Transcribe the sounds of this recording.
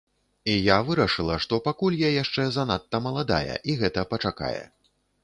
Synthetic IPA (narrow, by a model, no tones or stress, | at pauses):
ijavɨɾɐʂɨlˠɐʂt̪ɔpakulʲjajaʂt͡ʂɛzanat̪ːɐmɐlˠad̪a̰jɛ̰ʔiɣɛt̪ɐpɐt͡ʂaka̰jɛ̰